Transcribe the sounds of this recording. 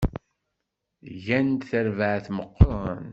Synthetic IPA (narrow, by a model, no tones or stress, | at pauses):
ʝænt̪θəɾvəʕθməqːɾˤən